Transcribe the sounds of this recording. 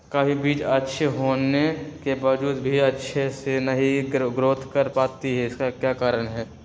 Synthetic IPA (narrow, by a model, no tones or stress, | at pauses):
kaɦibiːt͡ʃətːʃʰeɦoːnekebaːʋd͡ʒuːd̪bʱiətːʃʰesenɐɦĩɡɾoːt̪ʰkəɾpaːt̪iɦɛɪskakjaːkaːɾəɳɦɛː